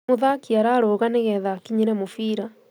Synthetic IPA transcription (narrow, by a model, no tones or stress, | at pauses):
oðakiaɾaɾoːɣaneɣɛðakiɲiɾɛmofiːɾa